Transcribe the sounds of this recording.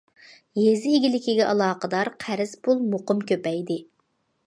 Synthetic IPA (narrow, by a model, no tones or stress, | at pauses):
jezɪːɡʲilɪkʲiɡʲɛʔɑlˠɑːqəd̪ɑɾqʰæɾɪz̥pʰulˠmoqʊmkʲøpɛjd̪ɪ